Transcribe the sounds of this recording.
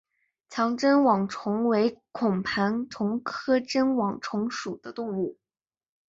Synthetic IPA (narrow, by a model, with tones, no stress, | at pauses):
t͡ɕʰjɑ˧˥ŋʈ͡ʂə˥nwɑ˨˩ŋʈ͡ʂʰʊ˧˥ŋwe˧˥ɪkʰʊ˨˩ŋpʰa˧˥nt̪ʰʊ˧˥ŋkʰɤ˥ʈ͡ʂə˥nwɑ˨˩ŋʈ͡ʂʰʊ˧˥ŋʂu˨˩d̪̥ə˦t̪ʊ˥˧ŋu˥˩